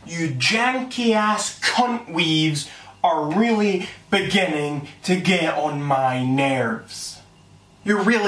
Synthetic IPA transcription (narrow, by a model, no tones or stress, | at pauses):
jʉd͡ʒæ̃ŋkʰiæskʰʌ̃nʔwivzə˞ɹɪlˠib̥ɨɡɪ̃nɪ̃ŋtʰɨɡɛɾn̩maɪnɛ˞vz̥ | jə˞ɹɪlˠ